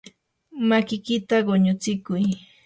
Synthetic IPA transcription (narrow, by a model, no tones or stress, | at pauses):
makɪkɪt̪aɢoɲʊt͡sɪkʊj